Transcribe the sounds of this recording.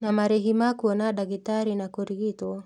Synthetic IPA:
namaɾɛɦimakuɔnaɗaɡitaɾinakɔɾiɡitɔ

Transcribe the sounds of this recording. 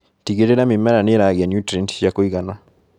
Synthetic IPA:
tiɡeɾeɾamimɛɾaneɾaɣɛnjutɾɛntjakoiɣana

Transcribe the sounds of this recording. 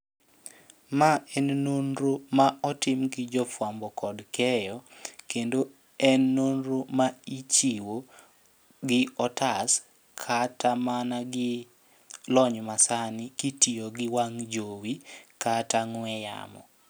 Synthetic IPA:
maɛnnonɾomaʔɔtɪmɡɪd͡ʒɔfwambɔkɔdkɛjɔkendo | ɛnːonɾomait͡ʃiwo | ɡɪɔtas | kʰatamanaɡɪ | lɔɲmasanɪkitioɡɪwaŋd͡ʒowikataŋwɛja̰mɔ̰

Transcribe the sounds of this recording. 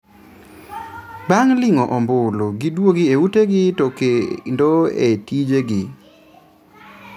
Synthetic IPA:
baŋlɪŋɔʔɔmbʊloɡidwoɡieuteɡɪtokendoḛtid͡ʒeɡɪ

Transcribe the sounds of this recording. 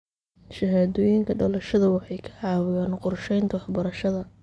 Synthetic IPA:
ʃɐɦaːðɔːjɪŋkʰɐɖɐlɐʃɐðɐwɑħɑjkʰɐ̥ʕɑːwɪjaːnqʊrʃɛjnt̪ʰɐwɑħbɐɾɐʃɐðɐ

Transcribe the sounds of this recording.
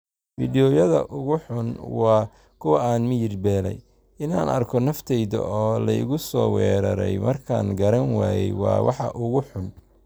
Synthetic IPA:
fiːdɪjɔjɐðɐ̰ʔʊɣʊħʊnwɑː | kʰʊwɐaːnmɪjɪrbɛːlɛ̰j | ɪnaːnɐrkʰɔnɐft̪ʰɛjðɐ̰ʔɔːlɐɪ̰ɣʊsɔːwɛːɾɐ̰ɾɛ̰jmɐrkʰaːŋɡɐɾɐnwɑːjɛjwɑ̰ːwɑ̰ħɑ̰ʔʊɣʊħʊn

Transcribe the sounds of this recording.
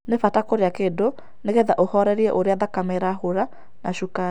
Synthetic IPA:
nefatakoɾeakedo | neɣeðaʔohɔɾɛɾiɛʔoɾeaðakameɾahoɾa | naʃuka

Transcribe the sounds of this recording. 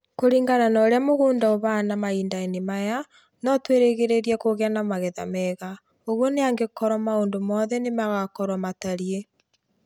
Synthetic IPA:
koɾiːŋɡananɔɾeamoɣuːndaoβanamaiːndainemaja | nɔtweɾeɣeɾeɾiɛkoɣeanamaɣɛða̰mɛɣa | oɣwɔneaŋɡekɔɾɔmaoːndomɔðɛnemaɣakɔɾwamataɾje

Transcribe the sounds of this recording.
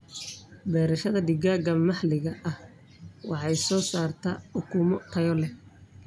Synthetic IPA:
bɛːɾɐʃɐðɐd̪ɪɡaːɡɐmɑħlɪɣɐʔɐh | wɑħɑjsɔːsaːrt̪ʰɐħʊkʰuːmɔt̪ʰɐjɔlɛ

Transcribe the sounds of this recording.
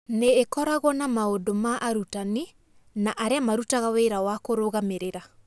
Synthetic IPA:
neːkɔɾaɣwɔnamaodomaʔaɾutani | naʔaɾeamaɾutaɣaweɾawakoɾoɣameɾeɾa

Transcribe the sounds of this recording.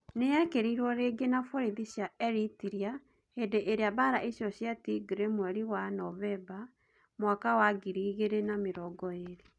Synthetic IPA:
nejakeɾiɾwɔɾeɡenafoɾiðiɕjaɛɾitiɾia | hedeʔeɾeaβaɾaʔiɕjɔɕjatiɡɾemwɛɾiwanɔβɛba | mwakawaɡiɾiːɣeɾenameɾɔɡɔeɾe

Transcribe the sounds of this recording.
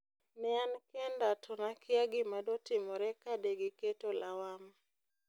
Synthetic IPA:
nɛankɛndatʰɔnakɪaɡɪmadotimɔɾɛkadeɡeketolawam

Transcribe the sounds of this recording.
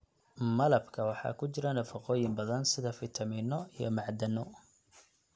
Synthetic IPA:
mɐlɐbkʰɐwɑħɑ̰ːkʰʊt͡ʃɪɾɐnɐfɑqɔːjɪmbɐðɐnsɪðɐfɪt̪ʰɐmiːnɔijɔ̰mɑʕd̪ɐnɔ

